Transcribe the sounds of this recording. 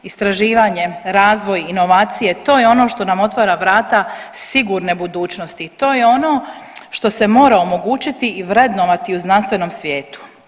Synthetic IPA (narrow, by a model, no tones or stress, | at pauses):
ist̪ɾaʒiːʋaɲe̞ɾaːzʋo̞jino̞ʋaːt̪sije̞t̪o̞ːjeo̞no̞ʃt̪o̞namo̞t̪ʋaɾaʋɾaːt̪asiɡuɾnebud̪uːt͡ʃno̞st̪it̪o̞ːjeo̞noʃt̪o̞se̞mo̞ːɾaomo̞ɡuːt͡ʃit̪iiʋɾed̪noʋat̪iuznanst̪ʋe̞no̞msʋje̞ːt̪u̥